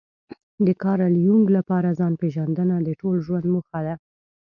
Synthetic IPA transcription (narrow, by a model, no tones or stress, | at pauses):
d̪əkɑɾaljuŋɡlapɑɾazɑnpeʒand̪ənad̪əʈolʒwand̪məxad̪a